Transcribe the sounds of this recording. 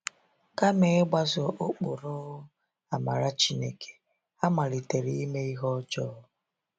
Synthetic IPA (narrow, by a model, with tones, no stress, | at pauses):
ka˦me˦ɡ͡ba˦zɔ˨ʔo˦k͡pʊ˨ɾɔ˦ɣʊ˦ | a˨ma̰˨ɾa˦t͡ʃi˦ne˦kʰe̥˨ | a˦ma˨li˨te˨ɾi˦i˦me˦i˦ɦɔ˦t͡ʃɔ˦ʊ˦